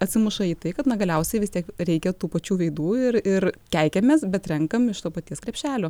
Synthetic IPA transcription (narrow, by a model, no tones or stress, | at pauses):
ɐt̪ʲsʲɪmʊʃɐiːt̪ɐɪkɐt̪nɐɡɐlʲɛʊsʲɛɪʋʲɪst̪iɛkɾʲɛɪkʲɛt̪uːpɐt͡ʃʲuːʋʲɛɪd̪uːɪrɪɾkʲæɪkʲɛmʲeːsbʲɛt̪ɾʲɛŋkɐmɪʃt̪oːpɐt̪ʲiɛskɾʲɛpʲʃʲæːlʲoː